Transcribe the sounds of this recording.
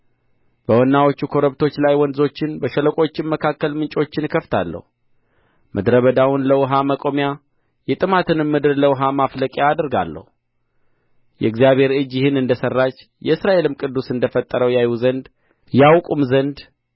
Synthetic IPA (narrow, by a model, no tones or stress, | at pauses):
bəwənːawot͡ʃːukʰo̞ɾəβt̪ʰo̞t͡ʃːlajwɔnzo̞t͡ʃːɪnbəʃələkʼo̞t͡ʃːɪmməkʰakːəlmɨnt͡ʃʼo̞t͡ʃːɪnkʰəft̪ʰalːə̰hu | mʔəd̪ɾəβəd̪awunləwʊɦaməkʼomja | jɛt̪ʼɨmat̪ɨnɨmːɨd̪ɨɾləwʊɦamafləkʼjaːd̪əɾɡa̰lːə̰hu | jɛ̰ɨɡzijaβhe̞ɾɨd͡ʒjɪhɨnɨnd̪əsərːat͡ʃː | jɛɨsɾaʔe̞lɨmkʼɨd̪ːusɨnd̪əfət̪ʼːəɾəwjajuzənd̪ | jawkʼumzənd̪